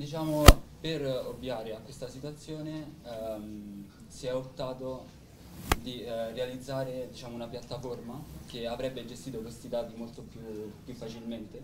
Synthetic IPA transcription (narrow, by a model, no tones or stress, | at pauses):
d̪it͡ʃaːmoperovːjaːɾeakːwest̪asit̪wat̪sːjoːnem | siɛot̪ːaːt̪o | d̪irealid̪zːaːɾed̪it͡ʃaːmounapjat̪ːaformak̟eavɾɛbːed͡ʒest̪iːt̪okest̪id̪aːt̪imolt̪opjupːjufːat͡ʃilment̪e